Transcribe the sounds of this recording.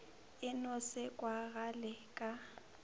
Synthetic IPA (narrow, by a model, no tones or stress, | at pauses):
ɪnɔsɪkʼwaɣalɪkʼa